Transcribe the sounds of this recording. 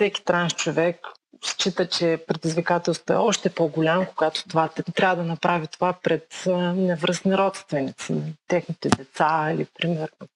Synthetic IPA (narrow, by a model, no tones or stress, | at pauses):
sɛki̥t̪ɾanʃt͡ʃovɛk | st͡ʃit̪ət͡ʃɛpɾɛd̪izvikat̪ɛlˠst̪voɛ̰ɔʃt̪ɛpoɡʊlʲamkoɡat̪o̥t̪ovat̪ɾʲavəd̪ɐnɐpɾavit̪ovapɾɛt̪nɛvɾəsniɾɔt̪st̪vɛnit̪sḭnɐt̪ɛxnit̪ɛd̪ɛt̪sailipɾimɛɾno